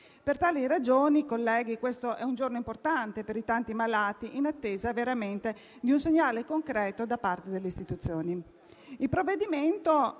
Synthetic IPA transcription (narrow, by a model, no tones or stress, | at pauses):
pert̪aːliɾad͡ʒoːnikolːɛːɡikwest̪oʔɛund͡ʒornoimport̪ant̪epeɾit̪ant̪imalaːt̪iʔinat̪ːeːzaveɾament̪e | d̪iunseɲːaːlekoŋkɾɛːt̪od̪apːart̪ed̪elːeist̪it̪ut̪sːjoːni | ilpɾovːed̪iment̪o